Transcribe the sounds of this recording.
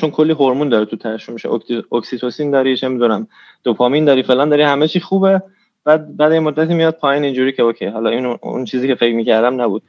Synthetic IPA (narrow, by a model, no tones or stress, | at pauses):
t͡ʃonkʰo̞lːiːɦoɾmuːnd̪ɒːɾit̪ʰut̪ʰææʃomːiʃeoksit̪ʰosiːnd̪ɒːɾinemid̪unæm | d̪̥opʰɒːmind̪ɒːɾiːfelɒːnd̪ɒːɾiːhæmet͡ʃʰiːxuːbe | b̥æːd̪̚bæːd̪jemod̪ːæt̪ʰiːmijɒd̪̚pʰɒːjiːnind͡ʒuːɾiːcʰeokʰejɦɒːlɒinṵnt͡ʃʰiːziːkʰefe̞kmiːcʰæɾd̪æmnæbud̪̥̚